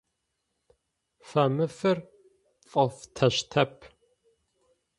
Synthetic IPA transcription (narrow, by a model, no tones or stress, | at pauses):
fɐmɨfɨr | fʼɐft̪ʰɐɕt̪ʰɐpʰ